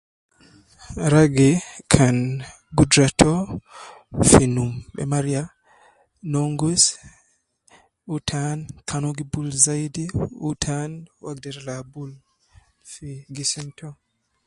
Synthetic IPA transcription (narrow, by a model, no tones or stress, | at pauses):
ɾaɡekʰan | ɡudɾatʰɔ | finumbɛ̰maɾia | nɔŋɡus | utʰankʰanoɡibulzajdiutʰanwaɡ̚dɛɾlabul | fiɡisɛntʰɔ